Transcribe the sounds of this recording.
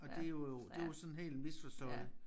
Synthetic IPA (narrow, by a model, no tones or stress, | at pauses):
ɒ̽d̥e̝joo̝d̥e̝josɒ̽n̩ɦe̝̰ːld̥misfɒsd̥ɔ̰̽ɪ̰̥